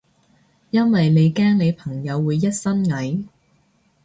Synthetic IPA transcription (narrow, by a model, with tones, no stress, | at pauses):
jɐ˥nwɐ˨jne˨˧jkaː˥ŋne˨˧jpʰɐ˨˩ŋjɐ˨˧wːuː˨˧jːɐ˥t̚sɐ˥nŋɐ˨˥j